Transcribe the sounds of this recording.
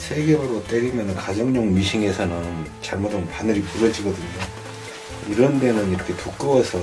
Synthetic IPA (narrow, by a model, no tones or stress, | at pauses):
sʰe̞ɡe̞mɯɾot͈eɾimjʌnɯnkad͡ʑʌŋɲʌŋmiɕʰiŋe̞sʰʌnɯnt͡ɕaɭmʌdʌnpanɯɾipuɾʌd͡ʑiɡʌdɯɲo | iɾʌnde̞nɯniɾʌkʰe̞tuk͈ɯwʌsʰʌ